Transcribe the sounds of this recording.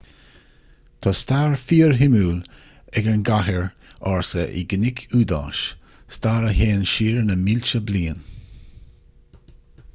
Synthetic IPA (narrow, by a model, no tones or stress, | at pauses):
t̪ʰɑstaːɹfiːɹɦɪmuːl | ɛɡanɡaɦəɹ | aɹsəʔḭɡənɪkʰuːd̪a̰ːʃ | st̪aːɾəɦeːnʃiːɹnəmɪlʲt͡ʃəbliːən